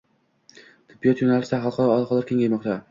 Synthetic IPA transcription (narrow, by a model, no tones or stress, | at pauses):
t̪ʰɪ̥bːijɒt̪jonalɪsaɦɑlˠqʰɑɾɒɒlˠqʰɒlˠɪɾkʲʰe̞ŋɡʲajmɒqt̪ʰa